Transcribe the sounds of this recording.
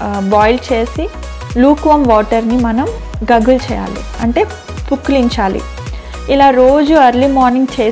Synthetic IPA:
baːjlt͡ʃe̞ːsi | luːkʋɐmʋaːʈɐɾnimɐnɐm | ɡɐɡult͡ʃɛ̰ːja̰ːlḭɐɳʈe̞ː | pukːliɲt͡ʃaːlḭ | ilaːɾoːd͡ʒuɐɾlimaːɾniŋɡt͡ʃe̞ː

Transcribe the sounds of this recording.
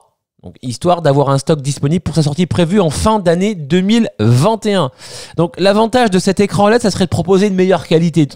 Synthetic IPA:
d̪̥ɔ̰̃kist̪waʁd̪avwaʁɛ̃st̪ɔk̚d̪ispɔnibləpuʁsasɔʁt̪ipχevyɑ̃fɛ̃d̪aned̪ømilvɛ̃t̪eɛ̃d̪̥ɔ̃klavɑ̃t̪aʒd̪əsɛt̪ekχɑ̃lasasəʁɛd̪əpχɔpozeynmejœʁkʲalit̪e

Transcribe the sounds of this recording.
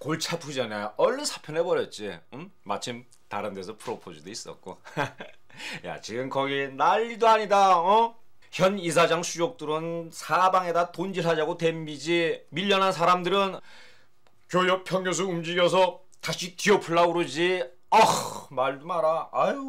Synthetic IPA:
koɭt͡ɕʰapʰud͡ʑanajoʌɭːɯnsʰḁpʰjʌnebʌɾjʌt̚t͡ɕ͈iɯmma̰t͡ɕʰim | taɾɯnde̞sʰʌpʰuɾʌpʰod͡ʑudois͈ʌ̰k̚k͈o̰ | ja̰t͡ɕiɡɯmkʌɡinaʎːidoaɲidaʌ | çjʌnisʰad͡ʑaŋsʰud͡ʑok̚t͈ɯɾɯnsʰabaŋe̞datond͡ʑiɭɦad͡ʑaɡotwe̞mmid͡ʑimiʎːʌnɦansʰaɾamdɯɾɯn | kjojʌpʰjʌŋjos̬ʰuumd͡ʑiɡjʌs̬ʰʌ | taɕʰikiʌpʰuɭːauɾɯd͡ʑi | ʌmaɭdumaɾaa

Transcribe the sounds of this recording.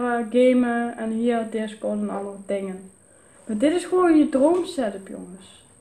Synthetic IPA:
əɡeːməɛnɦiəldɪskɔdənɑ̰ndərətɪŋən | madɪtɪsxəʋoːnjədroːmsɛdəpjɔ̰ŋəs

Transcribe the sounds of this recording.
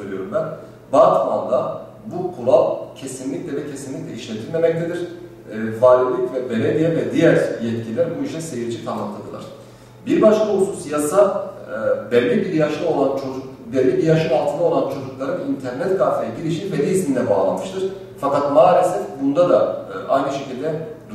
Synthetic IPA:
øɾʲyjo̞ɾumbæn | baːt̪ma̰nd̪a | bukʰuɾalˠcʰe̞sinlʲiclʲɛd̪ɛcʰe̞sinlʲiclʲɛiʃlʲet̪ʰilʲme̞mɛc̚t̪ʰe̞d̪iɾ̥ | vaːlʲilʲicvɛbelʲevijɛvɛd̪ijæɾjɛt̪̚cʰilʲæɾbuiʃɛse̞jiɾd͡ʒikʰanɯk̪lˠad̪ɯlˠa̰ɾ̥ | biɾbaʃlˠahususjasa | bɛlʲːibiɾjaʃlˠɯo̞lˠant͡ʃʰou | bɛlʲibiɾjaʃɯalˠt̪ʰɯnɯo̞lˠant͡ʃʰo̞d͡ʒuklˠaɾɯnint̪ʰæɾnɛt̪kaɾfʰejɛɟiɾiʃivɛlʲiːsind̪ɛbaːlˠa̰nmɯʃt̪ʰɯɾ̥ | fakat̪maːlʲesɛfbund̪ad̪aʔajnɯʃe̞cʰilʲd̪ɛd̪

